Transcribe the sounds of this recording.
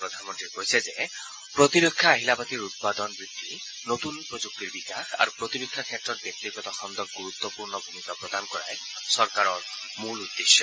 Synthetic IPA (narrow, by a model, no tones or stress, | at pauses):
pɾɔd̪ʱanmɔnt̪ɾiɾkɔisʰed͡ʒe | pɾɔt̪iɾokʰːjaːɦilabat̪iɾut̪̚pad̪ɔnbɾid̪ːi | not̪unpɾɔd͡ʒuk̚t̪iɾbikakʰa̰ɾupɾɔt̪iɾokʰːjakʰjaʈɾɔɾbjɔk̚t̪iɡɔt̪ɔxɔnd̪ɔɡuɾut̪wɔpuɾɳɔbʱumit̪ɔpɾɔd̪anɔkɔɾa̰e | sɔɾkaɾɔ | mulud̪ːesjɔ